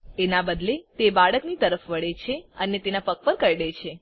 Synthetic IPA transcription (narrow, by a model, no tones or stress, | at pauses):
enabəd̪let̪ebaɭəknit̪əɾəfʋəɭet͡ʃʰeənet̪enapək̚pəɾkəɾɽet͡ʃʰe